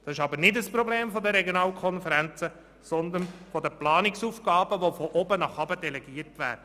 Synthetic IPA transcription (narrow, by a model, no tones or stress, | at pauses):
d̥̪ɑsɪʃɑbəɾnɪdəspɾɔbleːmfɔd̪əɾɛɡjonɑːlkʰɔnfəɾænt͡sə | sɔnd̪ənfɔd̪əplɑːnɪksuːfɡ̥ɑːbəʋofɔʔɔbənɑχɑbəd̥ɛlɛɡ̥iːəɾtʋæ̰ːɾdə